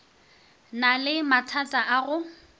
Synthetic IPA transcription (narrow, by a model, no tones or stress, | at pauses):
nalɪmatʰatʼaʔaɣʊ